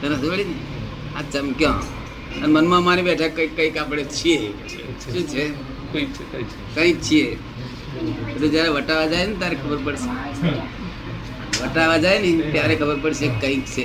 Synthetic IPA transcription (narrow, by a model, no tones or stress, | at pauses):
t̪əɾəsʋəɽini | at͡ʃɐmkjãː | ənmənmãmanibeːʈʰakəkːəĩkapəɽet͡ʃʰie | ʃũːt͡ʃʰe | kə̃ĩk̚t͡ʃʰie | əʈũd͡ʒjaːɾeʋəʈaʋad͡ʒajnit̪jaːɾekʰəbəɾpəɽse | ʋəʈaʋad͡ʒaːjnit̪jaːɾekʰəbəɾpəɽsekə̃ĩkt͡ʃʰe